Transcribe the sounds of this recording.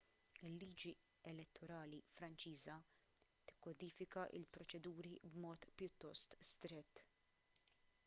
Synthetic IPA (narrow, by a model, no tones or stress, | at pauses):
ɪlːiːd͡ʒi | ɛlɛt̪ʰːɔɾɐːlifɾɐnt͡ʃiːzɐ | t̪ɪ̥kːɔd̪iːfɪkɐʔɪ̰lpɾɔt͡ʃɛd̪uːɾibmɔːt̪pjʊt̪ːɔst̪st̪ɾɛt̪ː